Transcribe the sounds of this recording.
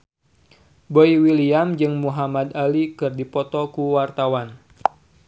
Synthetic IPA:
boiwiliamd͡ʒɨŋmuɦamad̪alikɨrdipɔt̪ɔkuwart̪awan

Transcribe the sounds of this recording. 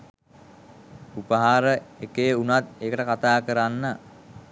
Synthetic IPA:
upəɦaːɾəekejunat̪eːkəʈəkat̪aːkəɾanːə

